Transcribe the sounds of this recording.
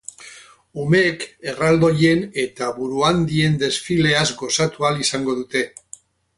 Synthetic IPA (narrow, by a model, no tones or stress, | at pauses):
ume̞ke̞rald̪o̞ʎe̞ne̞t̪aβuɾuand̪ie̞nd̪e̞sfile̞azɡo̞sat̪ualisaŋɡo̞ðut̪e̞